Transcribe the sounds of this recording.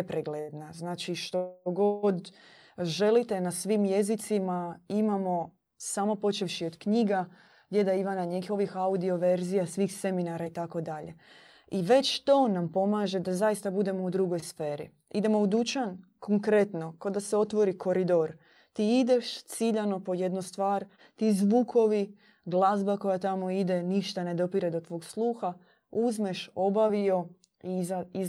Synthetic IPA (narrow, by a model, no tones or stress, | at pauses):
epɾeɡled̪naznaːt͡ʃiʃt̪oɡod̪ | ʒe̞lit̪e̞nasʋimje̞zit̪simaimamo̞ | samo̞po̞t͡ʃeʋʃiod̪kɲiːɡa | ɡdʲjed̪aiʋanaɲikixo̞ʋixaud̪io̞ʋe̞ɾzijasʋiːxse̞minaɾait̪ako̞d̪aʎe̞ | iʋe̞t͡ʃt̪o̞nampo̞maːʒe̞d̪azajist̪abud̪e̞mo̞ud̪ɾuɡo̞jsfeːɾḭ | id̪e̞moud̪ut͡ʃankʰoŋkɾe̞t̪no̞kod̪aseo̞t̪ʋo̞ɾikʰo̞ɾid̪o̞ɾ | t̪iːid̪e̞ʃt̪siʎano̞po̞je̞d̪nust̪ʋaːɾ | t̪iːzʋuːkʰo̞ʋi | ɡlˠazbako̞jat̪amo̞id̪e̞niʃt̪ane̞d̪o̞piɾed̪ot̪ʋo̞ːɡslˠuːxa | uzmeʃo̞baʋio̞ | iai